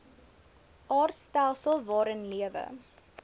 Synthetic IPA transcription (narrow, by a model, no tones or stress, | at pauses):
ʔɑːrtstælˠsəlˠvɑːɾənliəvə̰